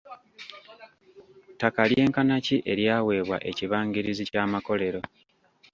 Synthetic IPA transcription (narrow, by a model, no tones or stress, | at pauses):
takalje̞ːŋkanaciʔe̞ɾjaːwe̞ːβwa̰ʔe̞ciβaːŋɡiɾizicaːmako̞le̞ɾo̞